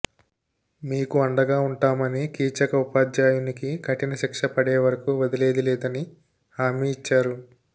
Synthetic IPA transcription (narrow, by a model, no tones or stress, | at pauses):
miːkuɐɳɖɐɡaːuɳʈaːmɐnikiːt͡ʃɐkɐupaːd͡ʒjaːjunikikʰɐʈinɐʃikʂɐpɐɽeːʋɐɾɐkuʋɐd̪ɐleːd̪ilɛːd̪ɐni | haːmiːt͡ʃːaːɾu